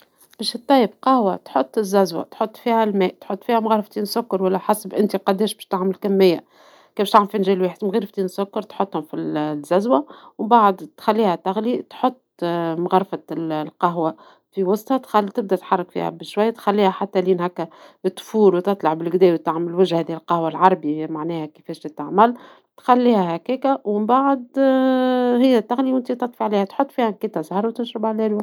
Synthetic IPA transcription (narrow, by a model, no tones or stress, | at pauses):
b̥ɛːʃt̪ˤːɑjːɪbqɑhwat̪ħot̪ˤːɪzːæzwæ̰t̪ħot̪ˤːfiːhælmɛːʔt̪ħot̪ːˤfiːhæmɣɑɾˤft̪iːnsːʊkːɑɾwælːæħasbʔɪnt̪iqɑd̪ːɛːʃbɛːʃt̪aʕmɪlkæmːɪjːæ | kɛːbæʃt̪aʕmlfinʒɛːlwiːħɪd̪mɣiːɾft̪iːnsːʊkːɑɾˤt̪ħot̪ˤːhʊmfizːæzwæwbaʕd̪t̪xalːiːhæt̪aɣlit̪ħot̪ˤːmɣɑɾˤfat̪lqɑɦwa | fiwɑsˤt̪hɑt̪xalt̪ɪb̚d̪æt̪ħɑrˤːɑkfḭhæ̰bɪʃwajːæt̪xælːiːhæħat̪ːæliːnɦækːæt̪ːfuːlwt̪ɨt̪ˤlɑʕbɪlɡd̪ɛːwit̪aʕmælwɪʒhhɛːðiɪlqɑhwalʕɑɾˤɑbimaʕnɛːhækəfɛːʃt̪ɪt̪ːaʕmæl | t̪xælːiːhæhækiːkæwɪmbaʕd̪ | hɪjːæt̪ːaɣliwʔɪnt̪it̪ɑt̪ˤfiʕliːhæt̪ħot̪ˤːfiːhæmkiːt̪ːɑzhɑɾˤwt̪ɪnʃɾɪbalæːlwæ